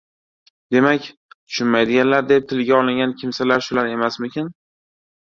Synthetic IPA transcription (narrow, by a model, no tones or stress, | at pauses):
d̪e̞makʲ | t̪ʰʊ̥ʃʊnmajd̪ɪɡʲanlaɾd̪ep̚t̪ʰɪlɡʲaɒlˠɪŋɡʲankʲʰɪmsalaɾʃʊlaɾe̞masmɪkʲʰɪn